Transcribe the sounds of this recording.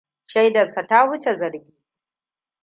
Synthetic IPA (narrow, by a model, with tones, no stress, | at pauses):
ʃa˦jdɐ˨sa˨ta˦hʊ˦t͡ʃe˨zɐ˨ɾɡʲiː˦